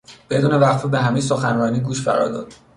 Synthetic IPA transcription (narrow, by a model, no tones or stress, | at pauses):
b̥e̞d̪uːne̞væxfibeɦæmejs̬o̞xænrɒːniːɡuːʃfæ̰ɾɒ̰ːɾd̪ɒ̰ːd̪̥